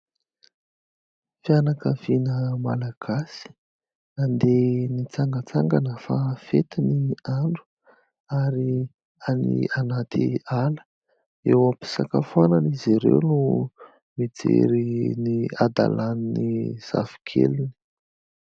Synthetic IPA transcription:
fianakəvinəmalaɡ̥asi̥ | nand̪enit͡saŋɡət͡saŋɡanəfafet̪inimiaɳɖ͡ʐu̥ | aɾi | anḭanat̪ialə̥ | ewampi̥sakafuananiziɾḛwnu | mid͡zḛɾiniad̪a̰laniniz̥a̰vi̥kʰḛlini̥

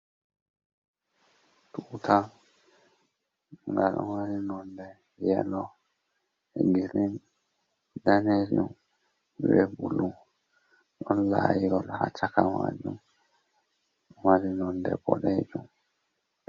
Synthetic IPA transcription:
tutʰa | ŋɡaɗɔmaɾinɔndɛ | jɛlɔ | ɛɡiɾin | danɛd͡ʒum | wɛbulu | ɗɔnlaːjiɡɔlhat͡ʃakamad͡ʒum | malinɔndɛ̰bɔɗɛd͡ʒum

